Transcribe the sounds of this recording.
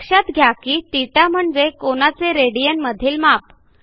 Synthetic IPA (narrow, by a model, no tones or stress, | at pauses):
kʂat̪ɡʱjakiːt̪iʈam̤əɳd͡zekoñat͡seɾeɽijənməd̪ʱiːlmap